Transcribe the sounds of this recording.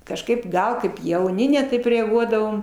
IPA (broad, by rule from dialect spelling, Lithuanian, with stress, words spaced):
kɐʃˈkɐɪp ˈɡɐlˠ kɐɪp jɛʊˈnʲɪ nʲɛ ˈtɐɪp rʲɛɐˈɡuɔdɐʋoːm